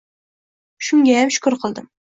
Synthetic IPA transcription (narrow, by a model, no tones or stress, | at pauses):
ʃʊŋɡʲajamʃʊ̥kʊɾqʰɨlˠd̪ɪm